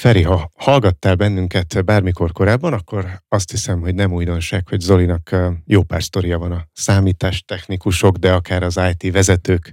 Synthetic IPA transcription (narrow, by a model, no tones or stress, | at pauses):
fɛɾiɦɒhɒlɡɒt̪ːaːlbɛnːyŋkɛt̪baːrmiko̞rko̞ɾaːbːɒnɒkːo̞ɾɒst̪hisɛmɦo̞ɟnɛmuːjd̪o̞nʃaːkho̞ɟzo̞linɒkjoːpaːrst̪o̞ɾijɒvɒnɒsaːmiːt̪aːʃt̪ɛxnikuʃo̞ɡd̪ɛɒkaːɾɒzaːjt̪ivɛzɛt̪øːk